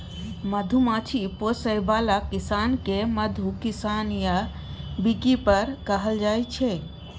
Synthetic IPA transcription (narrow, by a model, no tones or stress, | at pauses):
məd̪ʱumãt͡ʃʰiposəjbalakɪsaːnkeməd̪ʱukɪsanija | bikipəɾkəɦəld͡ʒaːjt͡ʃʰe